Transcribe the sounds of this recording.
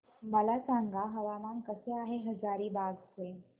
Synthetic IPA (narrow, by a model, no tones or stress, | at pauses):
məlasaŋɡʱaɦəʋamankəseaɦeɦəd͡zaɾiːbaɡse